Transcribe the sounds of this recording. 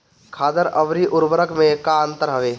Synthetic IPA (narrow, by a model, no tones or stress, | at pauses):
kʰaːd̪əɾəʋɾiʔʊɾbəɾəkʰmẽkaə̃nt̪əɾɦəʋeː